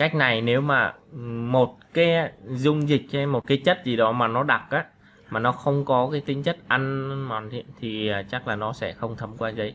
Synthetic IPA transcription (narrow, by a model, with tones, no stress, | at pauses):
ka˦˥jk̟̚na˨˩jne˨˦wmaː˨˩mo˨˩t̚kaː˨˦jzʊ˧ŋ͡mzï˨˩k̟̚t͡ɕɛ˧mːo˨˩t̚kaː˨˦jt͡ɕə˦˥t̚zi˨˩ɗɔ˨˦maː˨˩nɔ˨˦ɗa˨˩k̚ʔaː˨˦ | maː˨˩nɔ˨˦xə˧wŋ͡mkɔ˨˦kaː˨˦jt̪i˨˦ŋ̟t͡ɕə˦˥t̚ʔa˧nmɔ˨˩nt̪ḭ˧˦t̪ʰi˨˩aː˨˩t͡ɕa˦˥k̚laː˨˩nɔ˨˦sɛ̰˧˩xə˧wŋ͡mt̪ʰə˨˦mkwaː˧zə˨˦j